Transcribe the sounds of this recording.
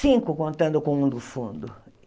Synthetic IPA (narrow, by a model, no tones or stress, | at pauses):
ĩŋkʊkõnt̪ɐ̃nd̪ʊkõŋũnd̪ufṵ̃nd̪ʊ